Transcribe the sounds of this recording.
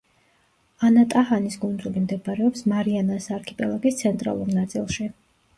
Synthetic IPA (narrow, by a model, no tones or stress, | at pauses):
anat̪ʼahanisɡund̪zulimd̪ɛpʼaɾɛɔpsmaɾianasaɾkʰipʼɛlˠaɡist̪sʰɛnt̪ʼɾa̰lˠuɾnat̪sʼḭlˠʃi